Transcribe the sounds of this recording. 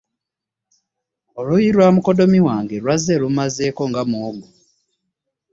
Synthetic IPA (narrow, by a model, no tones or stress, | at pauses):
olujiɾwaːmuko̞do̞miwaːŋɡe̞lwazeːlumaze̞ːko̞ŋɡamoːɡu